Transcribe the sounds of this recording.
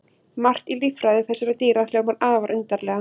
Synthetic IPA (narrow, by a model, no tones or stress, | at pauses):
mar̥t̪ilifɾajðɪθɛsːɪɾɛt̪iːɾalɛːɣmaɾaːvaɾʔʏnt̪aɾlɛːɣa